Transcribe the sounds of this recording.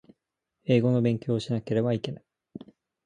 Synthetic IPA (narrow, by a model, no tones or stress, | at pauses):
e̞ːɡo̞no̞bẽ̞ŋkʲo̞ːɕinake̞ɾe̞baike̞nai̥